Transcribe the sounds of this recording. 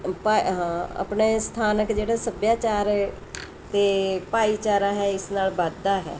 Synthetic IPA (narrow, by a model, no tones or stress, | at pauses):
paɦãa̰pɳeːst̪ʰaːnəkd͡ʒeːɽaːsəbjaːt͡ʃaːɾ | t̪eːpaːiːt͡ʃaːɾaːɦɛːɪsnaːlbəd̪aːɦɛ̰ː